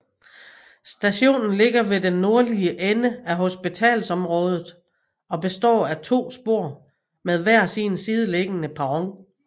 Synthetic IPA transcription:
sd̥æɕo̝̰ːnn̩le̝ɡ̥ɐʋe̝denːo̝ɐliəʔenəæɦo̝sb̥it͡sʰɛ̰ːlsɒ̽mʁɔ̽ːð̞ˠð̩ˠ | ɒ̽b̥e̝sd̥ɒ̰ːæt͡sʰo̝̰ːsb̥o̝ɐ̰ | meðˠʋæɐ̰siːnsiːð̞ˠəle̝ɡ̥ənəpʰɑ̈ʁɒŋ

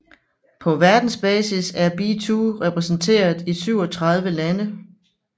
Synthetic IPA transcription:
pʰɒ̽ʋæɐd̥n̩sb̥ɛːsisæɐb̥it͡sʰuʁɛpʰʁɛsn̩t͡sʰe̝̰ːɐð̩ˠisyʊ̰ɒ̽t͡sʰʁɑ̈ð̞ˠʋəlænə

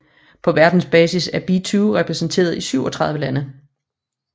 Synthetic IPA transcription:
pʰɒ̽ʋæɐd̥n̩sb̥ɛːsisæɐb̥it͡sʰuːʁɛpʰʁɛsn̩t͡sʰe̝̰ːɐðˠisyʊ̰ɒ̽t͡sʰʁɑ̈ð̞ˠʋəlænə

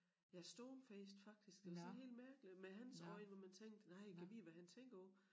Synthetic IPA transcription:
jæsd̥ɔːmfeːsd̥fɑ̈ɡ̥̚d̥isɡ̥d̥e̝ɐsɒ̽nɦe̝̰ːldmæɐɡ̥limeɦænsɒɪ̰nʋɑmænt͡sʰeŋ̰d̥ənɑ̈ɪ̰kʰæʋiʋæɦænt͡sʰeŋ̰ɡ̥ɐɔ

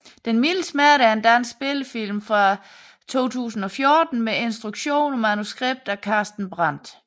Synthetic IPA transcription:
d̥enmilsmæɐ̰ɾəæɐe̝nd̥ænnsɡ̥sb̥e̝ləfil̰mfʁɑ̈ | t͡sʰo̝̰ːt͡sʰṵːsn̩ɒ̽fjo̝ːd̥n̩mee̝nsd̥ʁuɡ̥ɕo̝̰ːnɒ̽mænusɡ̥ʁeb̥̚d̥ækʰɑ̈ːsd̥n̩b̥ʁɑn̰d̥

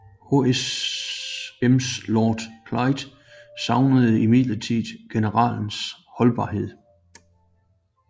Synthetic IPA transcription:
ho̝es | emslɒːd̥kʰlɑ̈ɪd̥ | sɑ̈ʊnəð̞̩ˠəimiðˠlət͡sʰiðˠɡ̥e̝nəʁɑ̰̈ːln̩shɒ̽lb̥ɑ̈ːɦe̝ð̞̰ˠ

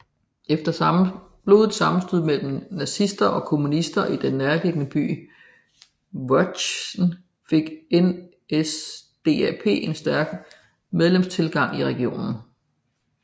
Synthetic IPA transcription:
efd̥ɐ | b̥lo̝ðˠd̥sɑ̈mm̩sd̥yð̰ˠmel̰m̩næsisd̥ɐʔɒ̽kʰo̝munisd̥ɐʔid̥enːæɐle̝ɡ̥ənəb̥y̰ː | ʋɒ̥sn | fe̝ɡ̥en | esd̥e̝̰ːæpʰe̝̰ːe̝nsd̥æɐɡ̥ | með̞ˠlemst͡sʰe̝lɡ̥ɑ̈ŋ̰iʁɛɡ̥io̝̰ːnn̩

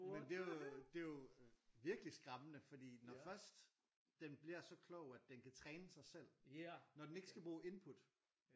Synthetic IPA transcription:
mend̥e̝d̥e̝joʋiɐɡ̥əlisɡ̥ʁɑ̈mənəfɒ̽d̥ḭːnɒfɶɐsd̥ | d̥enb̥liɐsɒ̽kʰlɔʊæd̥enkʰæt͡sʰʁɛːnəsɑ̈ɪsel̰nɒd̥en̩e̝ɡ̥ə̥sɡ̥æb̥ʁuːʔe̝npʰud̥

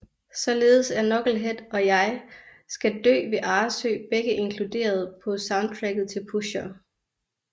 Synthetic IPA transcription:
sɒ̽le̝ːð̞̩ˠəsæɐnɒ̽ɡ̥l̩ɦed̥ɒ̽jɑ̈ɪ | sɡ̥æd̥ø̰ːʋe̝ʔɑ̈ːsø̰ːb̥eɡ̥əʔe̝ŋkʰlud̥e̝̰ːɐð̞ˠpʰɒ̽sɑ̈ʊnd̥̚t͡sʰʁæɡ̥ðˠt͡sʰe̝lpʰuɕɐː

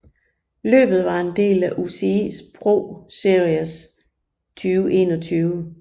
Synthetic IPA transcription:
lø̰ːb̥ð̞̩ˠʋɑ̈e̝nd̥e̝̰ːlæʔuse̝ḭsb̥ʰʁo̝ːse̝ɐiɐs | t͡sʰyːʊəʔe̝̰ːnɒ̽t͡sʰyːʊə

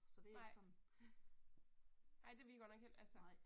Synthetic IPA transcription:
sɒd̥e̝ɪ̰sɒn | ɑ̈ɪ̰d̥e̝ʋiɡɒnɒɡ̥hel̰ælsə

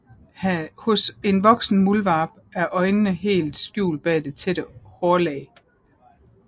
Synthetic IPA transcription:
hhɔ̽se̝nʋɒ̽ɡ̥sn̩mulʋɑ̈b̥æɐʔɒ̽ɪnənəɦe̝̰ːld̥sɡ̥jṵːl̚b̥ɛ̰ːd̥e̝t͡sʰeɾ̥əhɒːlɛː

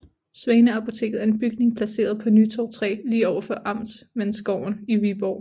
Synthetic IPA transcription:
sʋɛːnəɑ̈pʰo̝t͡sʰe̝̰ːɡð̩ˠæɐe̝nb̥yɡ̥̚ne̝ŋpʰlæse̝̰ːɐð̞ˠpʰɒ̽nyt͡sʰɒʊt͡sʰʁɛ̰ːliːɒʊɐfɒ̽ʔɑ̈m̰d̥smensɡ̥ɒʊ̰n̩iʋib̥ɒ̰ː

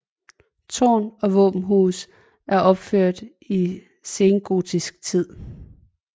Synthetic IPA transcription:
t͡sʰɒ̰ːnɒ̽ʋɔ̰ːb̥m̩ɦuːs | ʔæɐʔɒ̽b̥føɐ̰d̥ | i | se̝ːnɡ̥o̝̰ːt͡sʰisɡ̥̚t͡sʰið̰ˠ

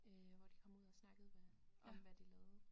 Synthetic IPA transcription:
øʋɒd̥i̥kʰɒ̽muð̞̰ˠɒsnɑ̈ɡ̥əð̩ˠʋæ | ʋæd̥ilɛːð̩ˠ

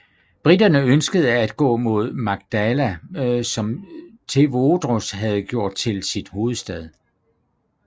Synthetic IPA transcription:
b̥ʁid̥ɐnəønsɡ̥əð̞̩ˠæd̥ɡ̥ɔ̰̽ːmo̝ð̞̰ˠmɑ̈ɡ̥̚d̥ælæsɒ̽mt͡sʰe̝ʋod̥ʁosɦæð̞ˠɡ̥jo̝ɐ̰d̥̚t͡sʰe̝lsid̥ho̝ːð̞̩ˠsd̥ɛð̞ˠ

